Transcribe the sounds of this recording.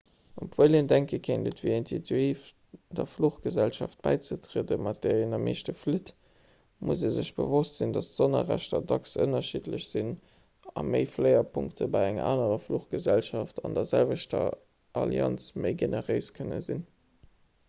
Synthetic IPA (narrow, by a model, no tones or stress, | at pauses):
upvəɪlendæŋkəkʰendətviːinsitʰuiːf | d̥ɐfluχɡ̥əzælʃɑft̚b̥æɪt͡sətʀiədəmɑt̚d̥eːinɑmʔeːʃtəflit | muzeːzəʃb̥ə̰vostz̥indɑstz̥onɐ̰ʁæ̰ʃtɐdɑksə̰nɐʃidləɕz̥in | ɑməɪflɜɪɐpʰuŋktʰəbɑɪæŋʔa̰ːnəʁɐfluχɡ̥əzælʃɑftʰɑndɐɐzælvəʃtɐ̰ | ʔɑlḭɑ̰nsməɪɡenəʁəɪskʰənə̰zin